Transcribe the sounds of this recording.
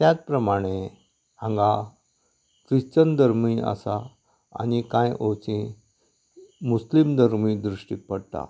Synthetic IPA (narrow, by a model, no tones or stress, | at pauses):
t̪jat͡spɾəmaɽ̃e | ãŋɡa | kɾiɕt͡ɕənd̪əɾmia̰sa̰ː | ñikãjʔot͡ɕĩ | muslimd̪ʱəɾmĩːd̪ɾuʂʈipəɽt̪a̰